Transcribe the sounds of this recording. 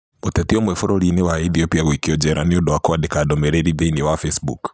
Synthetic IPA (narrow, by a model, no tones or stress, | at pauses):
motɛtiɔmwɛfɔɾɔɾinɛwaɛθiɔpiaɣwikiɔd͡ʒɛɾʔaniɔdɔakɔadɛkadɔmɛɾɛɾiðeiniwafɛsbṵk